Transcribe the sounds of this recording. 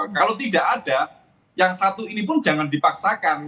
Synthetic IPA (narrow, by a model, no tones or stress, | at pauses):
kalot̪idaʔad̥a | jaŋsat̪uinipʊnd͡ʒa̤ŋandipaksakan